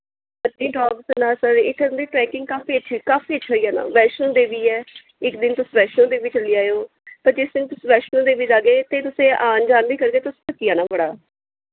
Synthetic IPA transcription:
ət̪nĩːʈaːbsənaːsəɾɪt̪ʰːend̪iːʈɾɛːkɪ̃ŋɡ̚kaːfiːətːʃʰikaːfiːət͡ʃːʃʰaiːɛːnã̰ːʋɛːʃnõːd̪eːʋiːɛː | ɪkd̪ɪnt̪ʊsʋɛːʃnõːd̪eːʋɪːt͡ʃəliːaːejoː | pəɾd͡ʒɪsd̪ɪnt̪ʊsːʋɛːʃnõːd̪eːʋɪt͡ʃaːɡeːt̪ːeːt̪ʊsẽːʔaːnd͡ʒaːnd̪iːkəɾkeːt̪ʊspət͡ʃijaːnaːbəɽaː

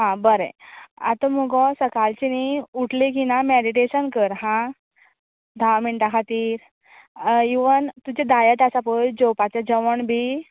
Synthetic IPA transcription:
ɦãbəɾḛa̰t̪ɔmuɡɔsəkalt͡ɕiniuʈlik̬inameɽiʈeɕənkəɾɦã | d̪ʱaʋamiɳʈakʰat̪iːɾ | iʋənt̪ud͡ʑed̪ajət̪asapəjd͡ʑopat͡ɕjad͡ʑəʋəɳbʱi

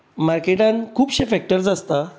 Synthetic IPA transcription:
maɾkeʈãnkʰuːpɕefɛk̚ʈəɾd͡zast̪a

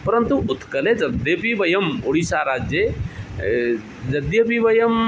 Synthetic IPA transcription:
pɐɾənt̪uʊt̪kəled͡ʒɐd̪epibɐjɐmoɽisaɾad͡ʒje | d͡ʒɐd̪jəpiʋɐjɐm

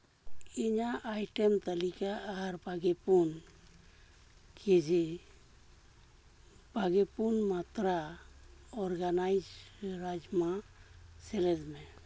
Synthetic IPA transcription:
iɲaʔajʈemt̪əlikaːɾbʱaɡepun | kʰed͡ʒe | b̥ʱaɡepunmat̪ɾa | ɔɾɡanajd͡ʒɾad͡ʒmaselɛd̪me

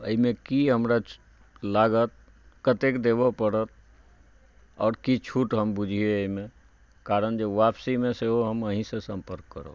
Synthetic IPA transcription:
əimekiɦəmɾa | laɡət̪̚ | kət̪ekd̪ebɔpəɾət̪̚ | ɔːɾkit͡ʃʰuʈɦəmbud͡ʒʱieəime | kaɾənd͡ʒeʋapsimẽseɦoɦəməɦĩsesə̃mpəɾkːəɾə̰

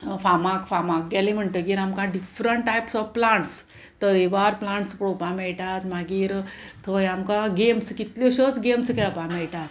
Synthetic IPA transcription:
famakfamak̚ɡ̪alim̤əɳʈ̪əɡiːɾamkaɖifɾəɳʈʈajpsɔfplãɳʈs | t̪əɾeʋaɾplãɳʈspɽopãmɛɭʈat̪maɡiːɾt̪ʰojamkaɡemskit̪lɔɕot͡sɡemskɛlapamɛɭʈat̪

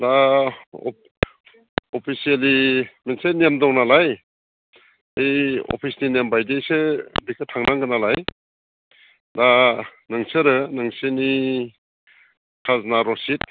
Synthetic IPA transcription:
da̰ | ɔpʰisielimensenemdɔŋnalaj | ejɔ̰pʰisninembajdejsɯbikʰɯtʰaŋnaŋɡɯnalaj | danɯŋsɯɾɯnɯŋsɯni | kʰaznaɾɔsit̚

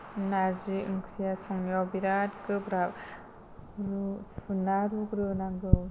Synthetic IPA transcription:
naziɯŋkʰɾijasɔŋjawbiɾatkʰɯbɾa | ɾuunaɾukɾɯnaŋɡɯ

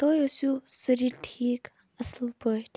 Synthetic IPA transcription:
t̪ojosusəɾiʈʰiːk | əslpəʈ

